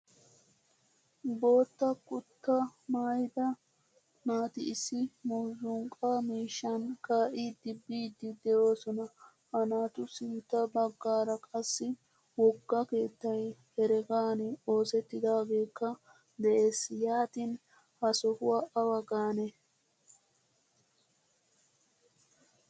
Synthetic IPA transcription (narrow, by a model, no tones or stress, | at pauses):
bo̞ːt̪ːɐkʊt̪ːɐmaːjd̪ɐ | naːt̪ɪːsːɪmuːzʊŋkʼamiːʃːɐnkaːʔiːd̪ɪbːiːd̪ːɪd̪ɛjo̞ːsɔnɐ | hɐnaːt̪ʊsɪnt̪ːɐbɐɡːaːɾɐkʼɐsːɪ | wɔɡːɐke̞ːt̪ːɐjhɛɾɛɡaːnɪo̞ːsɛt̪ːɪd̪aːɡe̞ːkːɐ | d̪ɛʔeːsjaːt̪in | hɐsɔhʊwaʔɐwɐɡaːnɛ